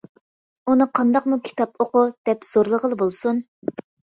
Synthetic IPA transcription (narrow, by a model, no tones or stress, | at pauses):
unɨqʰɑnd̪ɑqmukʲʰi̥t̪ɑpʰoqʊd̪̥ɛpz̥oɾlˠəʁəlˠɨbolˠsun